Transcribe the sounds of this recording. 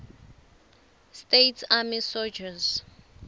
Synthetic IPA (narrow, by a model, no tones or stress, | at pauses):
stetʰamisɔd͡ʒaz